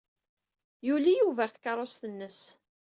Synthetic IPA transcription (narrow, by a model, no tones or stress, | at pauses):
julijuvæɾθkɑɾˤosθənːəs